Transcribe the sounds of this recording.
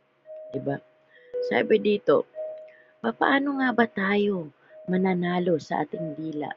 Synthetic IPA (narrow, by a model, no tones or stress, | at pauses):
d̪ɪba | sa̰ːbɛd̪iːt̪o̞̰ | papɐʔaːnoŋabat̪aːjo̞ | mɐnanaːlo̞sɐʔa̰ːt̪ɪŋd̪iːla̰ʔ